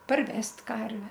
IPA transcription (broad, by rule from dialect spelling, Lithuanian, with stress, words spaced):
pɐrʲˈʋʲɛsʲtʲ ˈkɐrʲʋʲɛ